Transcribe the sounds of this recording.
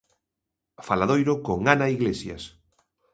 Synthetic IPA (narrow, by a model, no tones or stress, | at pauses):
falaðojɾokoŋanaiɣlesja̰s